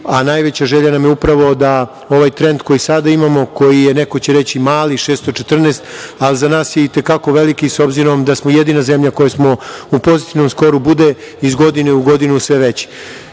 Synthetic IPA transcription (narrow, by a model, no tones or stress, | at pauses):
anajʋet͡ɕaʒeʎanamjeupɾaʋo̞d̪a | o̞ʋajt̪ɾe̞nd̪ko̞jisad̪aimamo̞ko̞jijeneko̞t͡ɕeɾe̞t͡ɕimaːliʃeːst̪ot͡ʃet̪r̩neːst̪alizanaːsjeit̪ekako̞ʋelikiso̞bziɾo̞md̪asmojed̪inaze̞mʎako̞jasmo̞upo̞zit̪iʋno̞msko̞ɾubud̪e | izɡo̞d̪ineuɡo̞d̪inusʋeʋet͡ɕi̥